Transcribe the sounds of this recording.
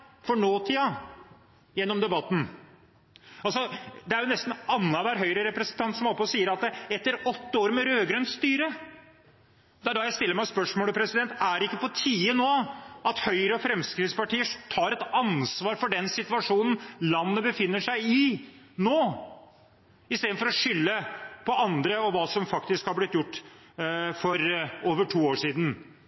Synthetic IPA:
fɔɳoːt̪ʰiːɑ | jɛnːɔmd̪ɛbɑt̪ːn̩ | ɑlsɔd̪ɛæɾjʊnɛst̪n̩ɑnːəʋæɾɦœʏɾəɾɛpɾɛsən̩t̪ʰɑnt̪sɔmɔpːɔsiːəɾɑt̪̚əɛt̪ːəɾɔt̪ːəoːɾmɛɾøːɡɾœnt̪st̪yːɾə | d̪ɛæɖɑjæɪst̪ɪlːəɾmæɪspœʂmoːləpʰɾɛsɪd̪ɛnt̪æɖɪkːəpʰɔt̪ʰiːənoːɑt̪hœʏɾəɔfɾɛmskɾɪt̪spɑʈiːət̪ʰɑːɾɛt̪ɑnsʋɑːɾfɔɖɛnsɪt̪ʉɑʂuːnn̩lɑnːəbəfɪnːəʂæɪɪ | noː | ɪst̪eːd̪n̩fɔɾɔʂʏlːəpʰɔɑnd̪ɾəɔʋɑːsɔmfɑkt̪ɪskhɑɾblɪt̪ːjʊʈː | fɔɾoːʋəʈʰuːoːʂiːd̪n̩

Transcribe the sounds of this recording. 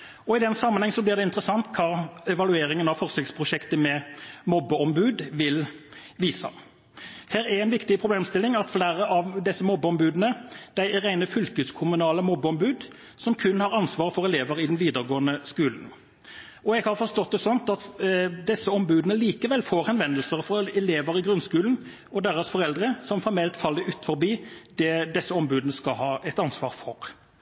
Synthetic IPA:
ɔɪd̪ɛnsɑmːənhɛŋsɔblɪʁɾd̪ɛɪnt̪əɾəsɑnt̪kʰɑːɛʋɑlʉeːɾɪŋənɑʋfɔʁsɪk̪spʰʁʊʃɛkt̪əmɛmɔbːəɔmbʉːd̪ʋɪlʋiːsɑ̰ | hæːɾæɾɛɪnʋɪkt̪ɪpʰɾʊbleːmst̪ɪlɪŋɑt̪flæːɾəʔɑʋd̪ɛsːəmɔbːəɔmbʉːd̪ənəd̪̥æɪʁæɪnəfʏlkəskʰʊmʉnɑːləmɔbːəɔmbʉːd̪ | sɔmkʰʉnhɑʁɑnsʋɑːʁfɔʁɛleːʋəɾɪd̪nʋiːd̪əʁɡoːənəskʉːln̩ | ɔɛɡhɑʁfɔʂt̪ɔt̪̚d̪ɛsɔnt̪ɑt̪d̪ɛsːəɔmbʉːd̪ənəliːkəʋɛlfoːʁhɛnʋɛnəlsəʁfɔɾɛleːʋəɾɪɡʁʉnskʉːln̩ | ɔd̪eːʁəsfɔʁɛld̪ɾəsɔmfɔɾmɛlt̪fɑlːəɾʉːt̪fɔɾbiːd̪̥ɛd̪ɛsːəɔmbʉːd̪ənəskɑhɑːɛt̪ɑnsʋɑːʁfɔʁ

